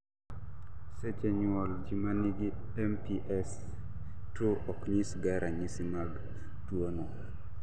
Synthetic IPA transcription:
set͡ʃeɲwɔld͡ʒimaniɡi | ɛmpiʔɛs | tuɔkɲisɡaɾʔaɲisimaɡ | twono

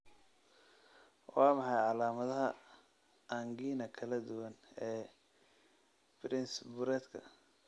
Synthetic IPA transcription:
wɑːmɑħɑjʕɑlaːmɐðɐɦɐ | aŋɡiːnɐkʰɐlɐd̪ʊwɐnɛː | bɾɪnsbʊɾɛːd̪kʰɐ̰

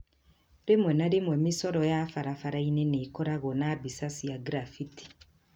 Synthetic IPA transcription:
ɾemwɛnaɾemwɛmisɔɾɔjafaɾafaɾaineneːkɔɾaɣɔnabisasijaɡɾafiti̥

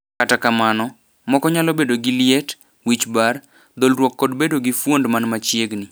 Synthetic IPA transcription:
katakamanɔ | mɔkɔɲalɔbedoɡɪljet | wit͡ʃbar | d̪olɾwɔkːɔdbedoɡɪfwondmanmat͡ʃjeɡnɪ

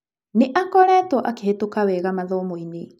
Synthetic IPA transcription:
niʔakɔɾɛtoʔakehetokaweɣamaðomojni

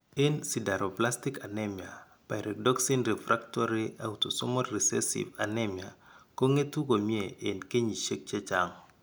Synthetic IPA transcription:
ensidaɾɔplastikanɛmja̰ | pajɾɛk̚dɔksinɾɛfɾʔaktɔɾia̰wtɔsɔmɔtrisɛ̰sḭvanɛmja̰koŋetukomjeʔenkeɲiʃek̚t͡ʃɛt͡ʃaŋ

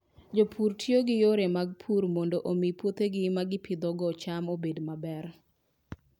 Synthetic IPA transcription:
d͡ʒopʰuɾtʰjoɡɪjoɾemaɡ̚pʰuɾmondoʔomipwot̪eɡɪmaɡɪpʰɪd̪ɔɡɔt͡ʃamobedmabɛr

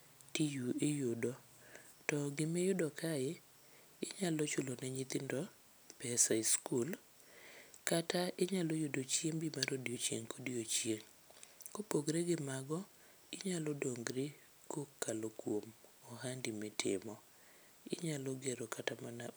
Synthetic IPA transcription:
tijuejʊdɔ | tɔɡɪmejʊdɔkʰajɪ | ɪɲalɔt͡ʃʊlonɛɲit̪ɪndɔ | pɛsaiskul | kataɪɲalɔjʊdot͡ʃjeŋbimaɾodiot͡ʃjḛŋkʰodiot͡ʃjeŋ | kopoɡɾeɡɪmaɡɔ | ɪɲalɔdoŋɡɾɪ | kokːalokwomɔɦandimɪtʰɪ̰mɔ | ɪ̰ɲalɔɡeɾɔkʰatamana

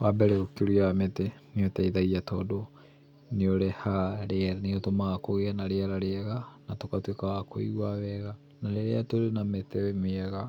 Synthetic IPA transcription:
wabɛɾɛokeɾiaameteneotaiðaɣiatɔdo | neoɾehaɾeneotomakoɣeanaɾeaɾaɾeaɣanatokatwekawakoiɣwawɛɣa | naɾeɾeatoɾenametewemeɛɣa

